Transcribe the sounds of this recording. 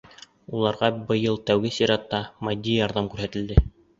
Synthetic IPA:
ulˠɑɾʁɑbɤ̆jɤlˠt̪æwɡɘsiɾɑt̪ːɑmɑd̪ʲːijɑɾðɑmkʉɾhæt̪ɘ̆ld̪ɘ

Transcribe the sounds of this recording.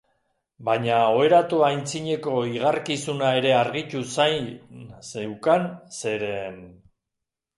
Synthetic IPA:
baɲao̞e̞ɾat̪uajnt͡siɲe̞ko̞iɣ̞aɾkisunae̞ɾe̞aɾɣit͡ʃusajsewkanse̞ɾe̞n

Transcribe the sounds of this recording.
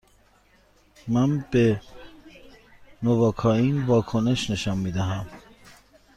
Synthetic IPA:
mænbe | novɒːkʰɒːiːnvɒːkʰone̞ʃne̞ʃɒːnmiːd̪æɦæm

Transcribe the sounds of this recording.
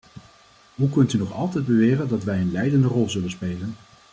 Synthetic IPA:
ɦukɵntynɔχɑlˠtɛjd̚bəʋɪːrəndɑtʋɛjənlɛjdəndərɔlˠzɵlənspejlən

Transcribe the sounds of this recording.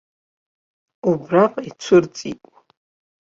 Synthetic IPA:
ubɾaqʼit͡sʷʰɨɾt͡sʼḭkʷʼ

